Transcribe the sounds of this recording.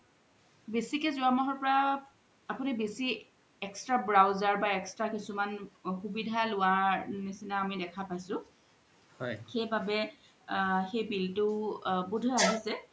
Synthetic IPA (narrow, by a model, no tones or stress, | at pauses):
besikɛzʊamɔɦɔɹpɔɹaː | pʊnibesi | ɛkstɹabɹawzaɹbaɛkstɹakisumanxubidʱalʊaɹnisinaːmidɛkʰapajsʊ̃ | hɔjxejbabɛ | xejbiltʊbudʱɔaɦisɛ